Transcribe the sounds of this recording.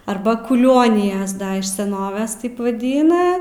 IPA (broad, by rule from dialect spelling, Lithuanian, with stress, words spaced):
ˈɐrbɐ kʊˈlʲoːnʲɪjɛs ˈdɐ ɪʃ sʲɛˈnoːʋʲɛs ˈtɐɪp ʋɐˈdʲiːnɐ